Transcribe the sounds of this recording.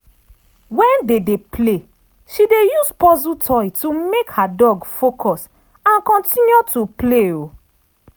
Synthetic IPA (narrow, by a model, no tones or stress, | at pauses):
wɛ̃ndedeple | ʃidejuzpɔzutʰɔjtumekhadɔɡfokʰɔs | ãnkɔ̃ntĩnjutupleo